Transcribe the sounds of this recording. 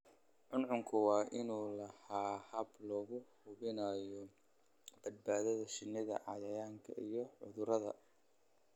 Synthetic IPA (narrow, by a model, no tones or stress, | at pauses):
ʕʊnʕʊŋkʰʊwɑːʔɪnuːlɐhaːhɐblɔːɣʊhʊβɪnɐjɔ | b̥ɐd̪̚baːðɐðɐʃɪnːɪðɐ̰ʕɑjɐjaːŋkʰɐ̰ʔijɔʕʊ̰ðʊɾɐðɐ̰